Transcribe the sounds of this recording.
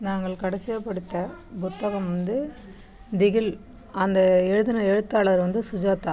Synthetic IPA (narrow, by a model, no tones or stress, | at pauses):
naːŋɡɐɭkɐɽɐsɪjɐpːɐɽɯʈ̪ːɐpʊt̪ːɐɣɐmʋɐnd̪ɯ | d̪ɪɣɪl | ɐnd̪ɐɛɻɯðɪnɐɛɻɯt̪ːaːɭɐɾʋɐnd̪ɯsʊd͡ʒaːt̪ːa